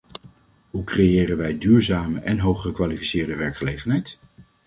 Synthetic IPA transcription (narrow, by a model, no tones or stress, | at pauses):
ɦukrejɪːrənʋɛjdyːɹzaːməʔɛnɦowχχəkʋaːlifi̥sɪːɹdəʋɛɹkχəlejχənɦɛjt